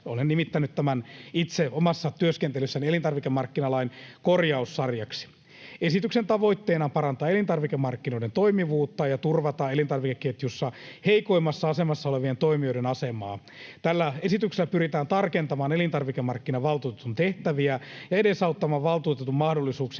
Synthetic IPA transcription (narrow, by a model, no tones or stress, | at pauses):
olennimit̪ːænyt̪t̪æmænit̪seomɑsːɑt̪yøskent̪elysːænielint̪ɑrʋikemɑrkːinɑlɑinkorjɑusːɑrjɑksi̥ | esit̪yksent̪ɑʋoit̪ːeːnɑmpɑrɑnt̪ɑːelint̪ɑrʋikemɑrkːinoident̪oimiʋuːt̪ːɑjɑt̪urʋɑt̪ɑelint̪ɑrʋikekːet̪jusːɑheiko̞imːɑsːɑɑsemɑsːɑoleʋient̪oimioiɾenɑsemɑː | t̪ælːæesit̪ykselːæpyɾit̪æːnt̪ɑrkent̪ɑmɑːnelint̪ɑrʋikemɑrkːinɑʋɑlt̪uːt̪et̪unt̪eht̪æʋiæjɑeɾesɑut̪ːɑmɑːʋɑlt̪uːt̪et̪ummɑhdolːisuːks